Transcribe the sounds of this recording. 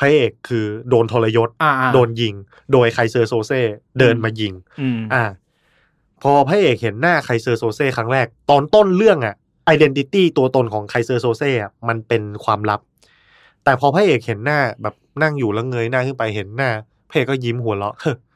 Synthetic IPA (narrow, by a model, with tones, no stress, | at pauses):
pʰa˧˥˩ʔeː˨˩kʰːɯː˧doː˧nt̪ʰo˧la˧jo˦˥t̪̚doː˧nji˧ŋ | doː˧jkʰa˧jsɤː˧soː˧seː˥˩dɤː˧nmaː˧ji˧ŋ˧ʔaː˧˩ | pʰɔː˧pʰaː˧˥˩ʔeː˨˩k̚he˩˦nːaː˥˩kʰa˧jsɤː˧soː˧seː˥˩kʰa˦˥ŋɾɛː˥˩k̚t̪ɔː˧nt̪o˥˩˨nlɯ˥˩əŋʔa˨˩ʔ | ʔaː˧jde˧nt̪i˧t̪iː˥˩t̪u˧ɐt̪o˧nkʰɔː˩˦ŋkʰa˧jsɤː˧soː˧seː˥˩ʔa˨˩ma˧npe˧nkʰwaː˧mla˦˥p̚ | t̪ɛː˨˩pʰɔː˧pʰa˧˥˨ʔeː˨˩k̚he˩˦nːaː˥˩bɛː˨˩p̚na˥˩ŋjuː˨˩la˧˦˩ŋɤː˧jnaː˥˩ŋkʰɯ˥˩npa˧jɦe˩˦nːaː˥˩ | pʰa˧˥˨eː˨˩kːɔː˥˩ji˧˦mɦu˩˦lɔ˧˦ʔʔɤ˧˩